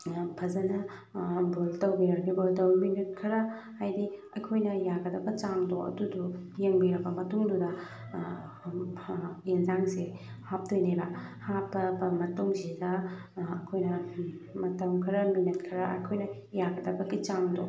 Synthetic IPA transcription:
pʰɐzɐnɐ | boltɐwbiɾɐknibodɐwminit̚kʰɐɾɐ | hajdiɐkʰojnɐjaɡɐdɐbɐt͡ʃamdoʔɐ̰dudujeŋbiɾɐbɐmɐtuŋdudɐ | inzaŋse | hap̚tojnebɐhapːɐbɐmɐtuŋsidɐː | kʰojnɐ | mɐtɐwkʰɐɾɐminit̚kʰɐɾɐʔɐ̰jkʰojnɐ | jaɡɐdɐbɐɡit͡ʃamdo

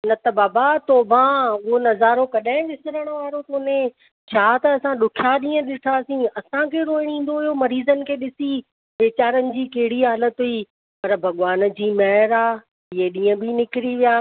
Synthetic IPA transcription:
nɐt̪ɐbaːbat̪oːbãʊɦonɐzaːɾokɐɗãɦɪ̃ɗɪsɪɾəɽ̃ʊ̆ʋaːɾok̪oʊnẽ | t͡ɕʰaːt̪ɐːsãɗʊkʰjaɗĩːə̃ɗɪʈʰaːsĩɐsãkʰeːɾoːɪɽ̃ĩːn̆d̪oɦɪjomɐɾiːzənɪ̆kʰeːɗɪsi | ʋeːt͡ɕaːɾənɪ̆d͡ʑiːkɐɦɪɽiɦaːlət̪ɦʊi | pɐɾbʱɐɠʋaːn̆d͡ʑiːmɐɦɾaː | ɪɦeɗĩːə̃bɪnɪkɪɾiʋijaː

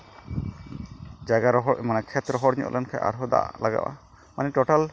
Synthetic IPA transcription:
d͡ʒaɡaɾɔɦɔmanɛkʰɛt̪ɾɔɦɔɽɲṵʔlʔɛnkʰa̰jʔa̰ɾɦɔd̪a̰ʔlaɡa̰wʔa̰ | manɛʈɔʈal

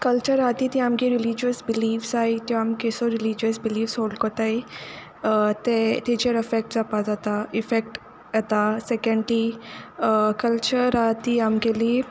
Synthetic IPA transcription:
kɐlt͡ʃəɾaːt̪it̪iaːmkeɾɪlid͡ʒiəsbɪliːfsaːit̪jõaːmkesoɾɪlid͡ʒəsbiliːfsɦoːlɖkot̪aːi | t̪et̪ed͡ʒeɾɐfek̚ʈzapad͡zat̪aɪfek̚ʈ | ɐt̪asɛkẽɳɖli | kɐlt͡ʃəɾat̪iaːmkelie

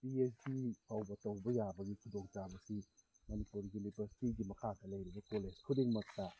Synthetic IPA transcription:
piesdipʰawbat̪owbajaːbaɡikʰudɔŋt͡ʃaːbasi | manipuɾjunibəsi̥tiɡimakʰaːt̪̚alejɾabakoleskʰudiŋmak̚ta

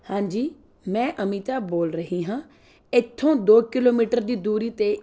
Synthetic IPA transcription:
hãːɲd͡ʒiː | mɛ̃ːʔəmiːt̪aːboːlɾəɦiːɦãː | ɪt̪ʰːõːd̪oːkɪloːmiːʈəɾd̪iːd̪uːɾiːt̪eː

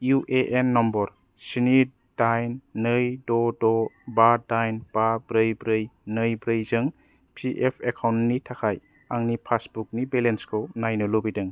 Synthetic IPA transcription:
juʔeʔenːɔmbɔɾ | sini | dajnːɯjdɔdɔbadajnb̥abɾɯjbɾɯjnɯjbɾɯjzɯŋ | pʰiʔepʰekʰawntnitʰakʰaj | aŋnipʰasbuk̚nibelenskʰɯwnajnɯlobidɯŋ

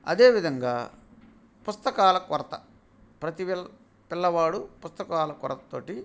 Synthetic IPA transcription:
ɐ̰d̪e̞ːʋid̪ʱɐŋɡaː | pust̪ɐkaːlɐkɔɾɐt̪ɐ̰ | pɾɐt̪iʋ | pilːɐʋaːɽupust̪ɐkaːlɐkɔ̰ɾɐt̪ɐ̥t̪oːʈi

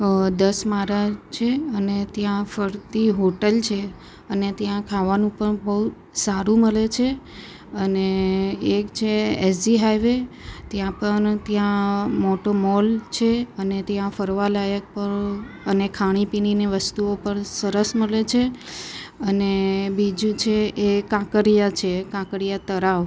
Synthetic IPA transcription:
d̪əsmaɾat͡ʃʰeənet̪jãfəɾt̪iɦoʈəlt͡ʃʰe | ənet̪jãkʰaʋanũpəɳbəɦu | saɾũməlet͡ʃʰe | əneː | kt͡ʃʰeesd͡ʒiɦajʋet̪jãpəɳt̪jãmoʈomɔlt͡ʃʰeənet̪jãfəɾʋalajək̚pəɾ | ənekʰaɽ̃ipinineʋəst̪uopəɳsəɾəsməlet͡ʃʰe | ənebid͡ʒũt͡ʃʰeʔekãkəɾijat͡ʃʰekãkəɽijat̪əɾaʋ

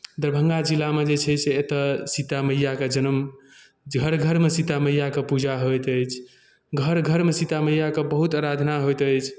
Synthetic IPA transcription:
d̪əɾbʱəŋɡad͡ʒilːamed͡ʒet͡ʃʰɛseːt̪əsit̪aməjjaked͡ʒənəm | ɡʱəɾɡʱəɾmesit̪aməjjakepud͡ʒaɦojt̪əjt͡ʃʰ | ɡʱəɾɡʱəɾmesit̪aməjakebəɦut̪aɾad̪ʱnaɦojt̪ət͡ʃʰ

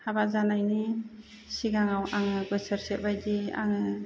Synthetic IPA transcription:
habaʔzanajni | siɡaŋawʔaŋɯɡɯsəɾsɛʔ̚bajdia̰ŋɯ

